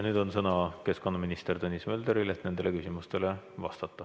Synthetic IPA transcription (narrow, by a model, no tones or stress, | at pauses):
nyːd̪o̞nsɤnɑke̞sko̞nːɑminist̪ert̪unʲːismøːld̪eɾilet̪ne̞nd̪e̞le̞kysʲimust̪e̞le̞ | vɑ̰st̪ɑt̪ːˑɑ